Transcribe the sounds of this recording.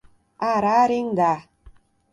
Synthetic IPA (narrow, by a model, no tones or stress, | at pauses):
aɾaɾiŋɡa